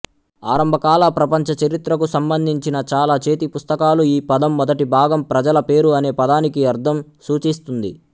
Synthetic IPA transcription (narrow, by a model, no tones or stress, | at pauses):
aːɾɐmbʱɐkaːlapɾɐpɐɲt͡ʃɐt͡ʃɐɾit̪ɾɐkusɐmbɐnd̪ʱiɲt͡ʃinɐt͡ʃaːlaːt͡ʃe̞ːt̪ipust̪ɐkaːluiːpɐd̪ɐmːɔd̪ɐʈibʱaːɡɐmpɾɐd͡ʒɐlɐpe̞ːɾuɐne̞ːpɐd̪aːnikiɐɾd̪ʱɐmsuːt͡ʃist̪und̪ḭ